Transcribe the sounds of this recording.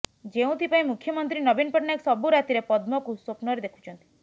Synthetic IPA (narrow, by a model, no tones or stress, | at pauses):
d͡ʒeũt̪ʰipaĩmukʰjɔmɔnt̪ɾinɔbinpɔʈneksɔbuɾat̪iɾepɔd̪mɔkusopnɔɾed̪ekʰu̥t͡ʃʰɔnt̪i̥